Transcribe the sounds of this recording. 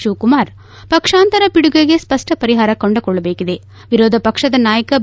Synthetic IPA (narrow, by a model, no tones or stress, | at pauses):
ʃuːkumaːɾ | pɐkʂaːnt̪ɐɾɐpiɽuɡɐɡe̞spɐʂʈɐpɐɾiɦaːɾɐkoɳɖɐkɔɭːɐbeːkid̪e̞ | ʋiɾoːd̪ʱɐpɐkʂɐd̪ɐnaːjɐkɐ